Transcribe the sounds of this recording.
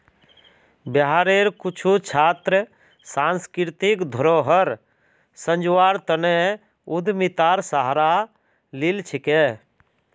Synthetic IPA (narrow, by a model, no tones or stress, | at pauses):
bəɦaːɾeːɾkʊt͡ʃʰut͡ʃʰaːt̪ɾə | sãːnskɪɾt̪ɪkd̪ʱəɾoːɦəɾ | sə̃ɲd͡ʒʋaːɾt̪əne | ʊd̪mit̪aːɾsaɦɾa | lɪlt͡ʃʰɪkeː